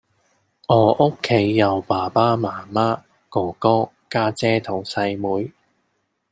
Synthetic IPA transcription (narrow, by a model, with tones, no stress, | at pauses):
ɔː˨˩ʔo˥kʰːe˨˧jːɐ˨˩wpaː˨˩paː˥maː˨˩maː˥ | kɔː˨˩kɔː˥ | kaː˥t͡sɛː˥t̪ʰo˨˧wsɐ˧jmuː˨˥j